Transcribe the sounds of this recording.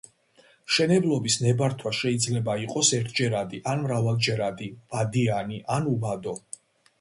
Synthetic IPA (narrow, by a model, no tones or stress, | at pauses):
mʃɛnɛblˠɔbisnɛbaɾt̪ʰwaʃɛid̪zlɛbaiqʼɔsɛɾt̪ʰd͡ʒɛɾad̪iʔanmɾavalˠd͡ʒɛɾad̪iv̥ad̪ianiʔanubad̪ɔ